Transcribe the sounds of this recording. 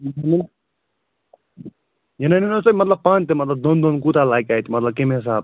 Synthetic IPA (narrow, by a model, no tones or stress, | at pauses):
jnɐnin | jɐnɐninosəbimɐt̪lɐb̚pãːnt̪emɐt̪lɐb̚d̪ond̪onkut̪alaːjkaːjt̪ʰimɐt̪lɐb̚kemeɦs̬aːb